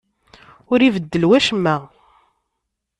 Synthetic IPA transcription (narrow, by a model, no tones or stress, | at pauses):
ʊɾivəd̪ːəlwæʃmːæ